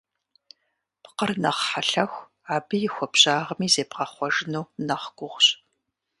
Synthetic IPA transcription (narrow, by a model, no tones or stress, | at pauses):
pqərnɐʁħaɬɐxʷ | aːbɨjɪxʷɔpɕaːʁɐmiːzeːpqɐχʷɔʒɪnuːnɐχɡʷʊʁʷɕʼ